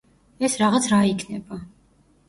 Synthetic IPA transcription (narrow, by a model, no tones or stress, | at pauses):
ɛsɾaʁat̪sʰɾaikʰnɛba